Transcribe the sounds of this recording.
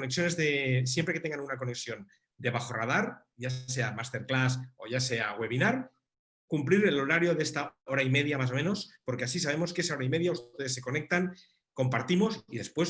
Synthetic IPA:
oneksjo̞ne̞zðesje̞mpɾe̞ke̞t̪e̞ŋɡanunako̞ne̞ksjo̞n | d̪e̞βaxo̞ra̰ð̞aɾ | ʝase̞amast̪e̞ɾklaso̞̰ʝase̞aɣwe̞βinaɾ | kumpliɾelo̞ɾaɾjo̞ðest̪ao̞ɾaime̞ð̞jamas̬o̞mẽ̞no̞spo̞ɾkeasisaβe̞mo̞skees̬ao̞ɾaime̞ð̞jaust̪t̪e̞ðesːe̞ko̞ne̞k̚t̪aŋ | ko̞mpaɾt̪imo̞siðe̞spwe̞s

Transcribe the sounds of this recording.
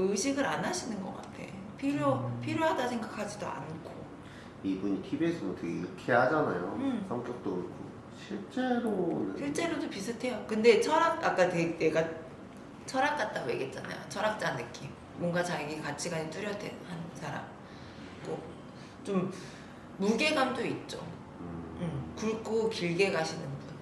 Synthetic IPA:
ɯɕʰiɡɯɾanaɕʰinɯnɡʌ̰k͈a̰tʰe̞̰ | pʰiɾjopʰiɾjoɦadasʰe̞ŋɡakʰad͡ʑidoa̰nkʰo | ibuɲitʰibes͈ʰɯnontʰeɡeikʰeɦad͡ʑanajo̰sʰʌŋk͈jʌk̚t͈oɯkʰo | ɕʰiɭt͡ɕ͈e̞ɾonɯ̰ɕʰiɭt͡ɕ͈e̞ɾodopisʰɯtʰe̞jokɯnde̞t͡ɕʰʌɾaɡ̚ak͈atene̞ɡa | t͡ɕʰʌɾak̚k͈at̚t͈aɡojḛɡe̞t̚t͡ɕ͈ana̰jo̰t͡ɕʰʌɾak̚t͡ɕ͈anɯk͈im | mwʌŋɡat͡ɕaɡiɡekat͡ɕʰiɡaɲit͈ɯɾjʌtʰḛnhansʰaɾa̰m | k͈o | t͡ɕomː | uɡe̞ɡamdoit̚t͡ɕ͈o̰ | ɯɯmkuɭk͈okiɭɡe̞ɡaɕʰinɯnɡd

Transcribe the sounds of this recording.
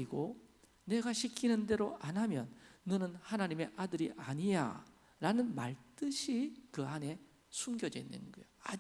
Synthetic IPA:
iɡo | ne̞ɡaɕʰikʰinɯnde̞ɾoʔanɦamjʌnːʌnɯnhanaɲime̞ʔadɯɾiʔaɲiɲa̰ | ɾanɯnmaɭt͈ɯɕʰikɯane̞ | sʰumɡjʌd͡ʑenːɯ̰nɡʌḛjoa

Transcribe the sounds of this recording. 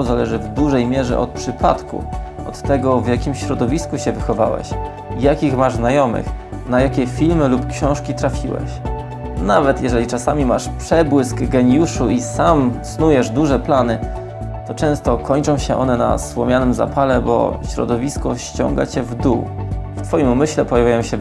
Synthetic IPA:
zalɛʐɘvd̪uʐɛjmʲjɛʐɛ̰ʔɔt̪̚pʂɘpʰa̰t̪kṵ | ɔt̪ːɛɡɔvʲjakʲimɕɾɔd̪ɔvʲiskuɕɛvɘxɔva̰wɛ̰ɕ | jakʲixmaʐznajɔmɘ̰x | najakʲɛfʲilmɘlupkɕɔ̃w̃ʂkʲit̪ɾafʲiwɛ̰ɕ | navɛt̪jɛʐɛlʲit͡ʂasamʲimaʂpʂɛbwɘskɡɛɲjuʂuʔisamsnujɛʐd̪uʐɛplanɘ | t̪ɔt͡ʂɛ̃w̃st̪ɔkʰɔɲt͡ʂɔ̃w̃ɕɛʔɔnɛna̰swɔmʲjanɘmza̰palɛbɔ̰ɕɾɔ̰d̪ɔvʲiskɔɕt͡ɕɔ̰ŋɡa̰t͡ɕɛvd̪ṵwft̪fɔjimumɘɕlɛpɔjavʲajɔ̃w̃ɕɛ

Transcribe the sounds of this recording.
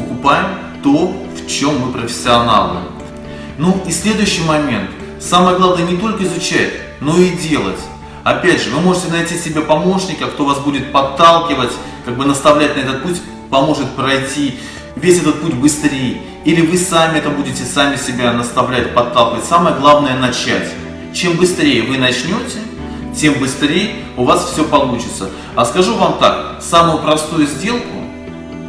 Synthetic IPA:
əkʊpajɪm | t̪o̞ft͡ɕo̞mːɨpɾəfʲɪ̥sʲːɪɐna̰lˠnɨ̰ | nuisʲlʲe̞d̪ʊjʉɕːɪjmɐmʲe̞nt̪ | samɨjəɡlˠavnɨjnʲɪt̪o̞lʲkəɪzʊt͡ɕætʲ | no̞idʲe̞lˠə̰tʲ | ɐpʲædʲʐɨvɨmo̞ʐɨtʲɪnɐjtʲisʲɪbʲapɐmo̞ʂnʲɪkʲɪɐkt̪o̞vasbudʲɪt̪̚pɐt̪ːalˠkʲɪvətʲ | kaɡ̚bɨnəst̪ɐvlʲætʲnɐɛt̪ət̪̚putʲ | pɐmo̞ʐɨt̪̚pɾɐjtʲi | vʲesʲɛt̪ət̪̚putʲbɨst̪ɾʲej | ilʲɪvɨsamʲɪɛt̪əbudʲɪtʲɪsamʲɪsʲɪbʲanɐst̪ɐvlʲætʲpɐt̪ːalˠkʲɪvətʲsaməjəɡlˠavnəjənɐt͡ɕæ̰tʲ | t͡ɕembɨst̪ɾʲejəvɨnɐt͡ɕnʲo̞tʲɪ | tʲe̞mbɨst̪ɾʲejə | ʊvasfsʲɵpɐlˠut͡ɕɪt̪sə | ɐskɐʐuvamt̪a̰k | samʊjʊpɾɐst̪ujʊzʲdʲe̞lˠkʊ̰

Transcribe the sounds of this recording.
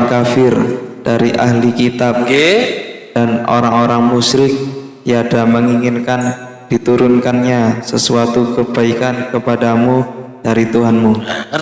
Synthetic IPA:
ŋkafɪrd̥aɾiʔa̰hlikit̪ap̚ | d̥ano̰ɾaŋoɾaŋmusɾɪk̚ | jadaməŋiŋɪnkan | d̥it̪uɾʊnkanɲasəsuat̪ukəb̥aikankəpadamud̥aɾit̪uɦanmu

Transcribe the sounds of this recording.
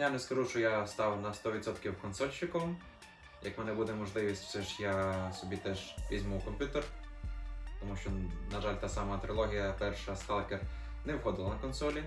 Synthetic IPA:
janɛskɐʒuʃt͡ʃɔjast̪ɑwnɐst̪ɔʋʲid̪sɔt̪kʲiwkɔnsɔlʲt͡ʃːɪkɔm | jɐkmɛnɛbud̪ɛmɔʒlˠɪʋʲisʲtʲwsɛʒjasɔbʲit̪ɛʒʋʲizʲmuwkɔmʲpʲjut̪er | t̪ɔmuʃt͡ʃɔnɐʒalʲt̪asɑmɐt̪ɾɪlˠɔɦʲijɐpɛrʃɐsk̪ɑlˠkɛr | nɛwxɔd̪ɪlˠɐnɐkɔnsɔlʲi

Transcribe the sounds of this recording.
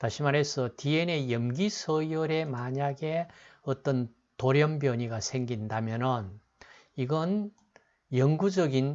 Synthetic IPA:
taɕʰimaɾɦe̞sʰʌtie̞ne̞jʌmɡisʰʌjoɾe̞maɲaɡe̞ʌt͈ʌn | toɾjʌmbjʌɲiɡasʰe̞ŋɡindamjʌnɯn | iɡʌn | jʌŋɡud͡ʑʌɡin

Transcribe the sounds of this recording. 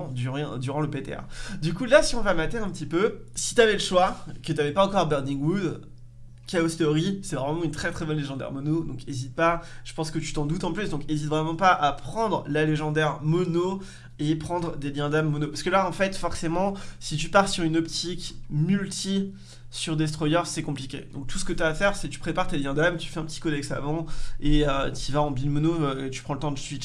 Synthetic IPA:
d̪yʁ̃d̪yʁɑ̃ləpet̪ḛa̰d̪ykulasiɔ̃vamat̪eɛ̃pət̪ipøsi̥t̪yavɛləʃwakət̪yavɛpaɑ̃kɔʁbɛʁd̪ĩŋɡwud̪ | kaɔst̪ɔʁisɛvʁɛmɑ̃ynt̪χɛt̪χɛbɔnleʒɑ̃d̪ɛ̰ʁmɔnod̪ɔ̃kezit̪̚paʒ̥ə̥pɑ̃skət̪y̥t̪ɑ̃d̪ut̪ɑ̃plysd̪ɔ̃kezit̪vʁɛmɑ̃paʔapχɑ̃d̪ʁlaleʒɑ̃d̪ɛʁmɔno | epχɑ̃d̪ʁd̪eljɛ̃d̪amːɔnopasəkəlaɑ̃fɛt̪fɔʁsemɑ̃sit̪ypaʁsyʁynɔpt̪ʰikmylt̪ʰi | syʁd̪es̬t̪χɔjœʁsɛkɔ̃plikʲḛd̪ɔ̃k̚t̪u̥sə̥kət̪yaːfɛʁsɛt̪y̥pχepaʁt̪eljɛ̃d̪amt̪y̥fɛɛ̃pət̪i̥kɔd̪ɛksa̰vɑ̃eøt̪ivaɑ̃bilmɔnoøet̪y̥pχɑ̃lət̪ɑ̃sɥi

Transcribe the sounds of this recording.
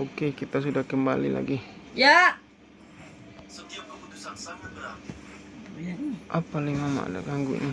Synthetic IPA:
okekit̪as̬udahkəmbalḭla̰ɡija | sət̪iap̚kəput̪usansanəkla | janiʔapaliŋmama̰ʔda̰ɡaŋɡṵʔni

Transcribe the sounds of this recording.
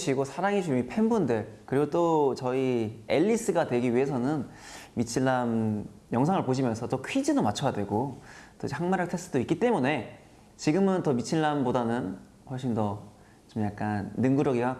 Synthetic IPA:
ɕʰiɡosʰaɾaŋiɕʰumipʰe̞nbundekɯɾiɡot͈ot͡ɕʌie̞ʎːis͈ɯɡadwe̞ɡiɥiɦe̞sʰʌnɯn | mit͡ɕʰinɭːam | jʌŋsʰaŋɯɭpoɕ̬ʰimjʌnsʰʌt͈ʌkʰɥid͡ʑidomat͡ɕʰʌjadwe̞ɡot͈oid͡ʑehaŋmaɾaktʰe̞s͈ʰtʰɯdoik͈it͈e̞mune̞ | t͡ɕiɡɯmɯntʌmit͡ɕʰiɭːambodanɯn | ɸʌɭɕ͈indʌ | t͡ɕomjak̚k͈anːɯŋɡuɾʌɡia

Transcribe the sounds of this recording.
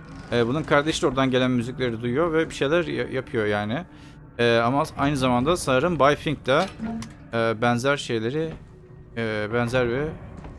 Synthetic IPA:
ɛːbununkʰaɾd̪eʃʲoɾd̪anɟe̞lʲænmyziclʲe̞ɾid̪ujujo̞vɛbiʃe̞jlʲæɾa̰japʰɯjo̞jaːnɪ | ɛːamaajnɯzamand̪asanɯɾɯmbajfiŋk̚t̪aː | bænzæɾʃe̞jlʲe̞ɾɪː | bɛnzæɾvɛ

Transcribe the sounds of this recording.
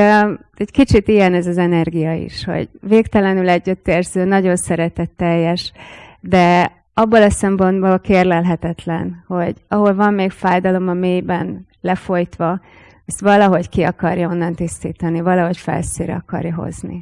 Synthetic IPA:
ɛɟkit͡ʃit̪ijɛnɛzɒzɛnɛrɡijɒḭʃho̞̰ɟveːkt̪ɛlɛnylɛɟːyt̪ːeːrzøːnɒɟo̞nsɛɾɛt̪ɛt̪ːɛjːɛʃd̪ɛ | ɒbːolɒsɛmpo̞nd̪bolkeːrlɛlɦɛt̪ɛt̪lɛ̰nho̞ɟɒɦo̞lvɒmːeːkfaːjd̪ɒlo̞mɒmeːjbɛn | lɛfo̞jt̪ʋɒ | ɛst̪ʋɒlɒɦo̞ckiɒkɒrjɒo̞nːɒnt̪ist̪iːt̪ɒnivɒlɒɦo̞cfɛ̰lsḭːɾɛ̰ɒkɒ̰rjɒɦo̰znḭ

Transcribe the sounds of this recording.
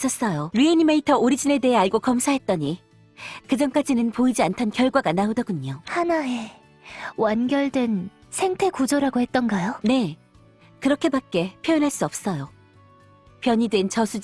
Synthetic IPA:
s͈ʌs͈ʌjoɾienimeitʰʌoɾid͡ʑine̞de̞ɦe̞aɭɡokʌmsʰaɦe̞t̚t͈ʌɲi | kɯd͡ʑʌnk͈ad͡ʑinɯnpoid͡ʑiantʰʌnkjʌɭɡwaɡanaodʌɡuɲohanae̞ | wanɡjʌɭdwe̞n | sʰe̞ŋtʰe̞kud͡ʑoɾaɡohe̞t̚t͈ʌnɡajone̞ | kɯɾʌkʰe̞bak͈e̞pʰjʌenɦaɭs͈uʌp̚s͈ʌjo | pjʌɲidwe̞nt͡ɕʌsʰu

